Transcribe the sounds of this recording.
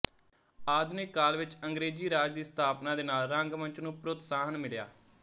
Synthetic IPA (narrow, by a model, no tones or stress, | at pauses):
aːd̪neːkaːlʋɪt͡ʃəŋɡɾeːd͡ʒiːɾaːd͡ʒd̪iːst̪ʰaːpnãːd̪eːnaːlɾəŋɡmə̃nt͡ʃnũːpɾʊt̪saːɦənmɪɭja̰ː